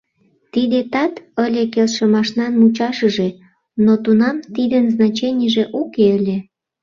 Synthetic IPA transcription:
t̪id̪et̪ɑt̪əlʲekelʃə̆mɑʃnɑnmut͡ɕɑʃəʒe | not̪unɑmt̪id̪ənznɑt͡ɕenʲəʒeʔukeəlʲe

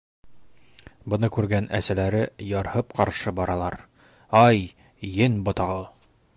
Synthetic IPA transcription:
bɤ̆nɤkʉɾɡænʔæ̰sælæɾɘjɒɾhɤpqɑɾʃɤbɒɾɑlˠɑɾ | ɑj | jɘnbŏt̪ɑʁɤ

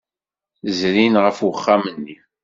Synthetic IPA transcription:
zɾinʁəfwəχːamənːi

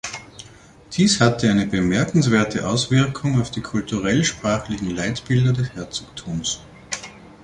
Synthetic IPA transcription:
d̥iːshatəaɪnəbəmɛɐkn̩sv̥eːɐtʰəʔaʊsv̥ɪɐkʰʊŋaʊfd̥iːkʰʊltuʁɛlʃpʁ̥aːxlɪçŋ̩laɪtb̥ɪldɐdɛshɛɐt͡soːktʰuːms

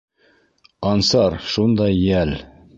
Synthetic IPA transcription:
ɑnsɑɾʃund̪ɑjjæl

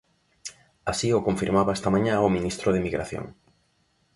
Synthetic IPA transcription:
asiʊkõɱfiɾmaβaɛst̪amãɲãominist̪ɾoðemiɣɾaθjo̰ŋ

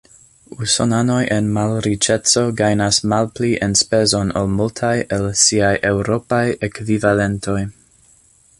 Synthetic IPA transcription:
uso̰nano̞jʔenmalɾit͡ʃe̞t͡so̞ɡajnasmalpliʔenspe̞zo̞nolmultʰajelsiajʔe̞wɾo̞pajekvivale̞ntʰo̞j

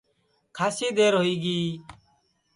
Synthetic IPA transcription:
kʰaːsiːd̪eːɾɦoiːɡiː

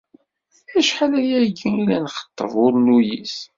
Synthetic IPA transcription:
æʃħalæjæɡiilænχə̥t̪ˤːə̰vʊɾlujis

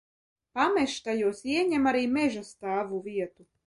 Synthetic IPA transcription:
pameʃt̪ajuɔsiɛɲʲɛmaɾiːmeʒast̪aːvuviɛt̪u

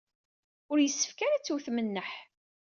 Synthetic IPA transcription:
ʊɾjəsːə̥fkaɾæt͡sːuwθmənːəħ

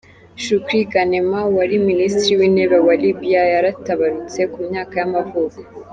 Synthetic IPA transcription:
ʃukɾiɡanemawaɾiministɾiwiːneβawalibijajaɾataβaɾut͡se̞kumɲaːkajamavuko̥

